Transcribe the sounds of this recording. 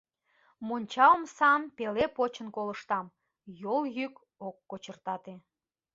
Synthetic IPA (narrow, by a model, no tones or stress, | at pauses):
monʲt͡ɕɑəmsɑnpelepot͡ɕə̆nkoləʃt̪ɑm | joljyk | okːot͡ɕərt̪ɑt̪e